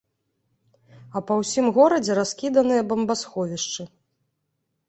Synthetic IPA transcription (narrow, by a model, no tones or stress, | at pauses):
ɐpɐwsʲimɣɔɾɐd͡zʲɛɾaskʲid̪ɐnɨjɐbɐmbasxɔvʲiʂt͡ʂɨ